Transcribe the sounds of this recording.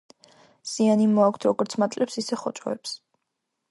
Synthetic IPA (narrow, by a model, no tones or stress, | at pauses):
z̥ianimɔakʷʰt̪ʰɾɔɡɔɾt̪sʰmat̪ʼlɛpsisɛχɔt͡ʃʼɔ̰ɛps